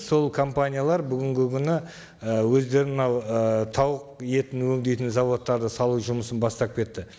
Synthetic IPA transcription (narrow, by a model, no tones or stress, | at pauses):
so̞lˠkʰo̞mpanʲijalˠɑɾbʏɡʲɪŋɡʲɪkʲʰʏnɪ | əwɵzd̪e̞ɾɪnmənɑwət̪ʰɑwəq̚je̞t̪ɪnwɵŋd̪e̞jt̪ɪnzɑvo̞t̪ːɑɾd̪əsɑlˠuʒʊməsənbɑst̪ɑp̚kʲe̞t̪ːɪ